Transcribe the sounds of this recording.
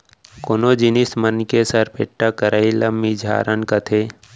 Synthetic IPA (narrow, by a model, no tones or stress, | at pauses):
koːnod͡ʒɪnɪsmənkesɐɾpḛːʈːakəɾailəmːid͡ʒʱa̰ːɾʔənkət̪ʰeː